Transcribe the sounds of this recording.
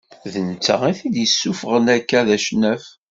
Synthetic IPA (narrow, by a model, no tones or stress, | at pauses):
ðənt͡sːə̰ʁiθid̪jəsːufəʁənækːæðæʃnæf